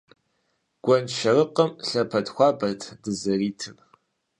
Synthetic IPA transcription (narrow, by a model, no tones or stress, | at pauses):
ɡ̥ʷɔnʃɐrɨqəmɬɐpʰɐdxʷɑːbɐtʰdɨzɐriːtʰɨr